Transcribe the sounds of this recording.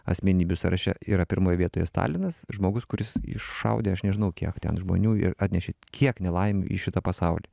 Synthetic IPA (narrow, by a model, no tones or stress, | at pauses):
ɐ̰sʲmʲɛnʲiːbʲʊsɐɾɐʃʲɛ̰iːɾɐpʲɪɾmoːjɛʋiɛt̪oːjɛst̪ɑ̰ːlʲɪnɐsʒmoːɡʊskʊɾʲɪsɪ̰ʃːɐ̰ʊd̪ʲeːɐʃnʲɛʒʲɪnɐʊkʲiɛkt̪ʲɛ̰nʒmo̰nʲuːɪ̰ɾɑːt̪ʲnʲɛʃʲekʲʰiɛknʲɛlˠɐɪm̰ʲḭʃʲɪt̪ɐpɐsɑʊlʲiː